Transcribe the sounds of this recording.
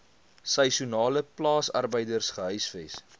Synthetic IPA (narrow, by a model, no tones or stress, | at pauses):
səjsunɑːləplɑːsɐ̰rbəjdərsχəɦœɥsfɛ̰s